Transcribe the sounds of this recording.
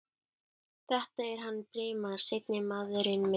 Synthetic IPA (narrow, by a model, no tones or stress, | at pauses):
θɛht̪aɛɾ̥ɦanːpɾɪːmaðɾ̥sejt̪nɪmaːðʏɾɪnmɛ